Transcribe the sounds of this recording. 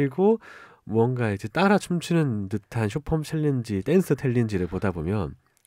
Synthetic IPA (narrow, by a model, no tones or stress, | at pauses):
iɡo | muʌŋɡaid͡ʑet͈aɾat͡ɕʰumt͡ɕʰinɯntɯtʰanɕ̬ʰopʰʌmt͡ɕʰeʎːind͡ʑit͈ensʰɯtʰeʎːind͡ʑiɾɯɭpodabomjʌn